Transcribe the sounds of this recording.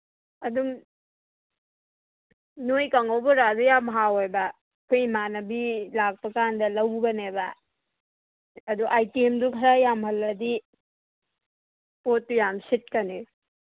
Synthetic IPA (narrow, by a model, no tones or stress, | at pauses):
ɐdum | nojkaŋawbuɾazajamɦawojbɐ | kʰujmanɐbilak̚pɐkandɐlɐwbɐnebɐ | ɐduʔajtiemdukʰɐɾajamhɐlːɐdi | pot̚ːujamsit̚kɐni